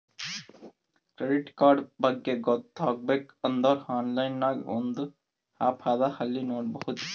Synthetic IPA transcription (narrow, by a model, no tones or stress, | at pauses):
kɾeɖiʈkaɾɖbaɡːeɡɔt̪ɔɡ̚bek | ənd̪ɔɾhanlajnːakbɔnd̪u | hapʰad̪ahalːinoʈ̚bɔɦut̪